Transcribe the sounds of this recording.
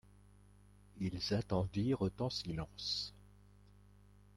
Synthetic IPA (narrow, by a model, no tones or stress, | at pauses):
ilzat̪ɑ̃d̪iʁət̪ɑ̃silɑ̃s